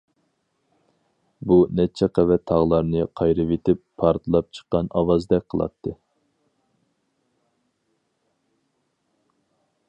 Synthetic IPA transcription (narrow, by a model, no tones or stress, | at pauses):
bunɛt͡ʃʰɛqʰɛvɛt̪ʰɑʁlˠɑɾnɨqʰɑjɾɨvet̪ʰɪpːʰɑɾt̪ʰɨlˠɑp̚t͡ʃʰə̥qːɑnɑwɑzd̪ɛkʲqʰəlˠɑ̰t̪ʰːɨ